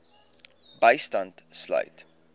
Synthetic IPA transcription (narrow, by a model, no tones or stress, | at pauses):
bəjstɐntslœ̰jt